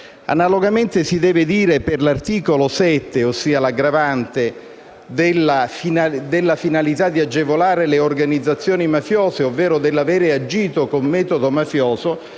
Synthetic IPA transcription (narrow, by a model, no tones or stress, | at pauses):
a̰naloɡament̪esid̪ɛːved̪iːɾeperlart̪iːkolosɛt̪ːeosːiːalaɡɾavant̪e | d̪elːafind̪elːafinalit̪ad̪iad͡ʒːevolaːɾeleorɡanid̪zːat̪sːjoːnimafjoːzeovːɛːɾod̪elːaveːɾead͡ʒiːt̪okomːɛːt̪od̪omafjoːzo